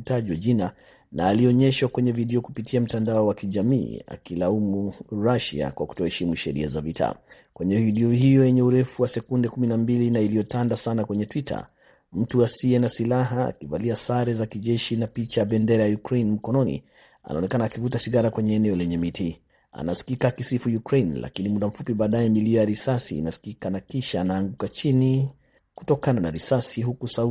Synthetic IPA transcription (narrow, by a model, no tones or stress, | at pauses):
taʄiwaʄina | naːliɔɲɛʃwakwɛɲɛvidɛɔkupitʰiam̩tandaɔwakiʄamḭːa̰kilaumuɾaʃa̰kwaku̥tɔhɛʃimuʃɛɾḭazavitʰa̰ | kwɛɲɛviɗɛɔhijɔjɛɲɛuɾɛfuwasɛkundɛkuminambilinailijɔtandasanakwɛɲɛtwitʰa̰ | m̩tuasiɛnasilaɦaa̰kivaliasaɾɛzakiʄɛʃinapit͡ʃaaɓɛndɛɾajajukɾejnm̩kɔnɔnḭ | a̰na̰ɔnɛkanaːkivutasiɣaɾakwɛɲɛːnɛɔlɛɲɛmiti | a̰na̰si̥kikakisifujukɾejnla̰kinimuɗam̩fupiɓaːɗajɛmilijaɾisasḭːnasi̥kikanakiʃaːnaːŋɡukat͡ʃini | ku̥tɔkananaɾisasiɦukusau